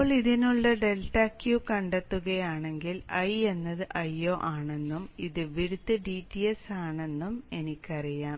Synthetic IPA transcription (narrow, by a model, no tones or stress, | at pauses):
oːɭiðinuɭːɐɖe̞lʈːɐkjuːkɐɳɖet̪ːuɣɐjaːɳe̞ŋɡilɐje̞nːɐðɨʔɐjːoːʔaːɳe̞nːumiðɨʋiɽut̪ːɨɖiːtːijesaːɳe̞nːume̞nikʲːɐrijaːm